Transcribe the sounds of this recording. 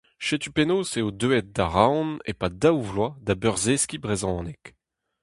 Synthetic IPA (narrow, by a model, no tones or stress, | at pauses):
ʃet̪ypenoːseod̪øɛt̪̚d̪aʁawnḛpad̪awvlwad̪abœʁzeskibʁezɔ̃ːnɛk